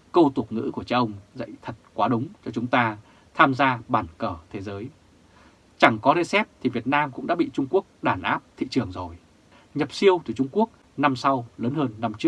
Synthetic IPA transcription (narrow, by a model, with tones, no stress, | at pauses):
kə˧wt̪u˨˩ək̚ŋɨ̰˧˥ku˧˩ət͡ɕa˧wʔə˧wŋ͡mzə̰˧˨jt̪ʰə˨˩t̚kwaː˨˦ɗʊ˨˦ŋ͡mt͡ɕɔ˧t͡ɕʊ˨˦ŋ͡mt̪aː˧ | t̪ʰaː˧mzaː˧ɓaː˧˩nkəː˧˩t̪ʰe˨˦zəː˨˦j | t͡ɕa˧˩ŋkɔ˨˦ɗe˧sɛ˦˥p̚t̪ʰi˨˩vi˨˩ət̚naː˧mkʊ̰˧˥ŋ͡mɗa̰ː˧˥ɓḭ˧˨t͡ɕʊ˧ŋ͡mku˦˥ək̚ɗaː˧˩nʔaː˦˥p̚t̪ʰḭ˧˨t͡ɕɨ˨˩əŋzo˨˩j | ɲə˨˩p̚si˧əwt̪ɨ˨˧˩t͡ɕʊ˧ŋ͡mku˦˥ək̚ | na˧msa˧wləː˨˦nhəː˧nːa˧mt͡ɕɨ˦˥ə